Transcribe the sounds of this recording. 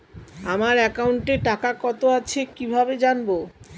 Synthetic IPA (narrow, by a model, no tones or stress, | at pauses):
amaɾɛkauɳʈeʈakakɔt̪oat͡ɕʰekibʱabed͡ʑanbo